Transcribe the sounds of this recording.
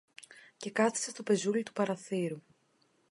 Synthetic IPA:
ce̞kɐθi̥sest̪o̞pe̞zulit̪u̥pɐɾɐθiɾu

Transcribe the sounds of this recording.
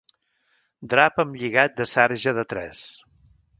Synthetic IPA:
d̪ɾapəmʎiɣat̪̚d̪əsɛɾʒəðət̪ɾɛ̰s

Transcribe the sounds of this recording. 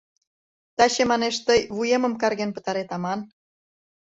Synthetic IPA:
t̪ɑɕemɑneʃt̪əjβujemə̆mkɑrɣenpə̥̆t̪ɑɾet̪ɑmɑn

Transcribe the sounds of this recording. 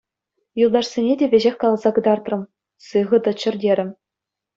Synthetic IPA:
julˠd̪ɑʂsʲenʲedʲeʋʲeʑexʲkɑlˠɑzɑɡɯ̆d̪ɑrt̪rɤ̆m | sɯʁɤ̆d̪ɤ̆t͡ɕɘ̆rʲdʲeɾʲɘ̆mʲ

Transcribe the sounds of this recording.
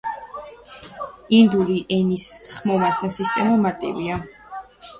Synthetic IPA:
ind̪uliʔɛnisχmɔvaɾt̪ʰasist̪ʼɛmamaɾt̪ʼḭvia

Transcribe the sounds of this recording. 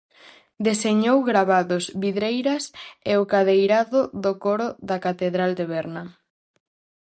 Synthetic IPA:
d̪eseɲowɣɾaβaðʊzβiðɾejɾɐseokaðejɾaðʊðokoɾoðakat̪eðɾald̪eβɛɾnɐ

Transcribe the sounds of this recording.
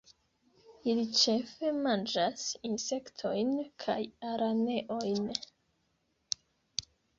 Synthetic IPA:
ilit͡ʃe̞fe̞mand͡ʒasinse̞ktʰo̞jnkʰa̰jaɾʔane̞ʔo̞jn

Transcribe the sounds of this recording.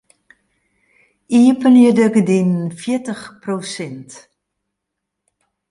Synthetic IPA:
iəpəniədəkədinfjitəxprosɪnt

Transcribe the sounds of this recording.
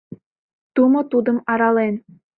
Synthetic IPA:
t̪umot̪ud̪ə̆mɑɾɑlen

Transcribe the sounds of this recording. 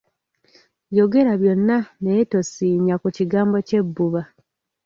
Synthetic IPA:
jo̞ɡe̞ɾaβjo̞nːaneto̞siːɲakuciɡaːmbo̞ce̞bːuβa

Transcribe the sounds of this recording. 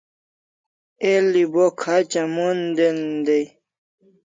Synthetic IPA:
elibokʰat͡ɕamund̪end̪ej

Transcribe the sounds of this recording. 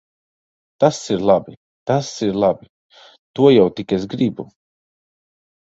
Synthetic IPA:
t̪asiɾlˠabi | t̪asiɾlˠabi | t̪uɔjawt̪ikɛsɡɾibu

